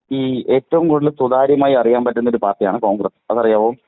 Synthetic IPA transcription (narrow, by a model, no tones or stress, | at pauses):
iːe̞ːtːɐʋumkoɽilsud̪aːɾjɐmaːjiɐrijaːnpɐtːunːoɾupaːrtijaːɳɨko̞ːŋɡrɐsɐ̰ðɐrijaːʋoː